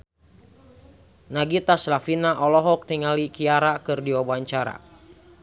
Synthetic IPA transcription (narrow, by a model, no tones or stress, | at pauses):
naɡit̪aslafinaʔɔlɔɦɔk̚niŋalikiaɾakɨrdiwabaɲt͡ʃaɾa̰